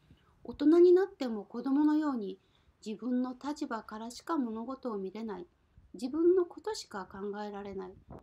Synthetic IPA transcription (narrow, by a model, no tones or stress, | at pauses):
o̞t̪o̞naɲ̟inat̪ːe̞mo̞ko̞d̪o̞mo̞no̞jo̞ːɲ̟i | d͡ʑibɯ̟̃nːo̞t̪at͡ɕibakaɾaɕi̥kamo̞no̞ɡo̞t̪o̞ːmʲiɾe̞nai | d͡ʑibɯ̟̃nːo̞ko̞t̪o̞ɕi̥kakãŋɡae̞ɾaɾe̞nai